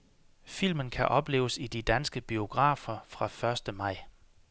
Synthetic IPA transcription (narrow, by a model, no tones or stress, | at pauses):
fil̰mənkʰæʔɒ̽b̥le̝̰ːʊəsid̥id̥ænsɡ̥əb̥io̝ɡ̥ʁɑ̰̈ːfɐfʁɑ̈fɶɐsd̥əmɑ̈ɪ̰